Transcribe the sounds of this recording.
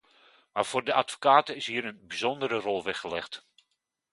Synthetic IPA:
maːɹv̥oːrdəʔatfo̥kaːtəɪsɦiːəɾənbizɔndəɾərɔlˠʋɛχəlɛχt

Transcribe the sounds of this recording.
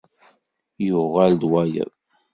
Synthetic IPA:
jʊʁald̪wæjə̰ðˤ

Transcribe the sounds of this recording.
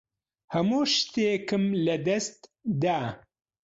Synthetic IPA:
hɐmuːʃt̪eːkɨmlɐd̪ɐst̪d̪aː

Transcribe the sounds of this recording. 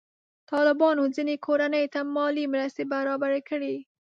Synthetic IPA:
t̪ɑlɪbɑnozinekʰoɾanəjt̪amɑlimɾast̪ebaɾɑbaɾekəɽi

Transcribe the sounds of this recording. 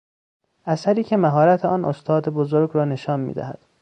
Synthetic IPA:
ʔæsæɾiːcʰe̞mæɦɒːɾæt̪ʰeɒːnʔost̪ʰɒːd̪ebozoɾɡɾɒːne̞ʃɒːnmḭːd̪æ̰hæd̪̥

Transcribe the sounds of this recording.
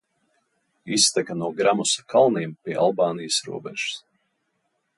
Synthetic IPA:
ist̪ɛkanuɔɡɾamusḁkʰalˠniɛmpʲiɛʔalˠbaːnijasɾṵɔbɛʒ̥u̥s

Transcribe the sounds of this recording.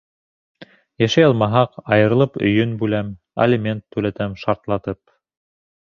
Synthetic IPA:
jæʃæjɑlˠmɑɦɑqɑjɤ̆ɾɤ̆lˠɤpɵ̰̆jɵnbʉlæm | æ̰limʲent̪ːʉlæt̪æmʃɑɾt̪lˠɑt̪ɤp̚

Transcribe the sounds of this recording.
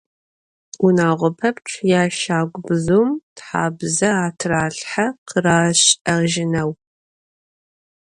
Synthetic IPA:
ʊnaːʁʷɔpʰɐpʈ͡ʂʷʰjaːʃaːɡʷbɨzuːmtħa̰ːbzɐaːtʰraːɬħaqʰəraːɕɐʁʒɪnɐw

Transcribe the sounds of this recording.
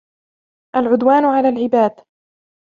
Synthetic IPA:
ʔalʕʊd̪waːnʕalaːlʕɪbaːd̪

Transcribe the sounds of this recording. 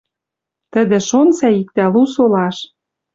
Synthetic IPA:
t̪ə̆d̪ĕʃonsæik̚t̪ælusolɑʃ

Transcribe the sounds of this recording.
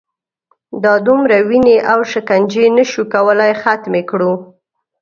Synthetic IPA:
d̪ɑd̪umɾawineʔawʃəkand͡ʒenəʃukawəlajxat̪mekɽu

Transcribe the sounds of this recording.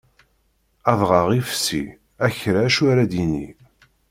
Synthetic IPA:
ɑðʁɑʁifsḭ | æçɾaʃaɾæd̪inḭ

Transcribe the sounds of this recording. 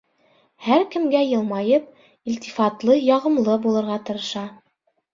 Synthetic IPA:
hæɾkɘ̆mɡæjɤ̆lˠmɑjɤp̚ | ilʲt̪ifɑt̪lˠɤjɑʁɤ̆mlˠɤbulˠɤ̆ɾʁɑt̪ɤ̆ɾɤ̆ʃɑ

